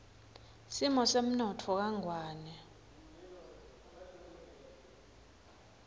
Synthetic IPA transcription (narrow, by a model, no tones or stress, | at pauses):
simɔsem̩nɔtʰɔk̬aŋʱwaːnɛ